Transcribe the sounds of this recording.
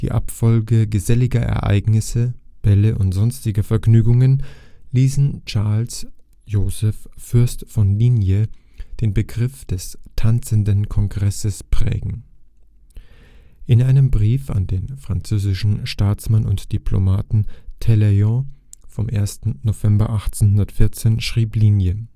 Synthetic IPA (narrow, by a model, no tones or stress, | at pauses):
d̥ḭːʔa̰pfɔlɡəɡəzɛlɪɡɐʔɛ̰ɐʔa̰ɪɡnɪsəb̥ɛləʔʊntz̥ɔnstɪɡɐfɛɐɡnyːɡʊŋənliːsn̩t͡ʃaɐls | joːzɛffʏɐstfɔnliːnjə | d̥eːnbəɡʁɪfd̥ɛstʰant͡səndənkʰɔŋɡʁɛsəspʁ̥ɛ̰ːɡŋ̩ | ʔɪnʔaɪnəmbʁiːfa̰ndeːnfʁ̥ant͡søːzɪʃn̩ʃtaːt͡smanʊ̰ntd̥ipʰlo̰maːtn̩tʰɛleɔ̃fɔmʔḛːɐstn̩nov̥ɛmbɐʔaχt͡seːnhʊndɐtfɪɐt͡seːnʃʁ̥iːpliːnjə